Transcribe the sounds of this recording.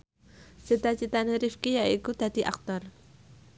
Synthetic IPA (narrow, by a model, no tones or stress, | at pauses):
sət̪at͡ʃit̪aneɾifkijaikud̪̥a̤d̪̥iʔa̰k̚t̪ɔr